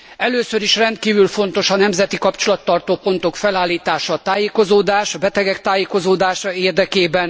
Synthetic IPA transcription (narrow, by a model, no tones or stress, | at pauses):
ɛløːsøɾiʃrɛnt̪̚kiːvylfo̞n̪t̪o̞ʃɒnɛmzɛt̪ikɒpt͡ʃolɒt̪ːɒrt̪oːpo̞n̪t̪o̞kfɛlaːlːiːt̪aːʃɒt̪aːjeːko̞zoːd̪aːʃɒbɛt̪ɛɡɛk̚t̪aːjeːko̞zoːd̪aːʃɒeːrd̪ɛkeːbɛn